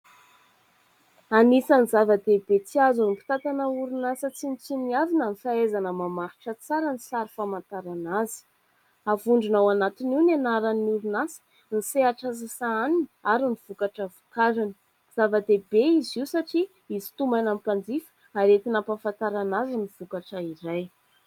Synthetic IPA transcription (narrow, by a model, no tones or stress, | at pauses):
anisənizavəd̪ebet͡siazunipi̥t̪at̪anəuɾunasət͡sinit͡siniavinanifaezanəmamaɾi̥ʈ͡ʂət͡saɾənisaɾifamant̪aɾanazi̥ | avuɳɖ͡ʐunawanat̪iniwnanaɾanuɾunasə̥ | niseaʈ͡ʂazisaaninaɾiniv̥ukaʈ͡ʂəvukaɾini̥ | z̥avəd̪ebeiziusaʈ͡ʂi | izi̥t̪umanampand͡zifə̥ | aɾet̪inapafant̪aɾanaziniv̥ukaʈ͡ʂəiɾaj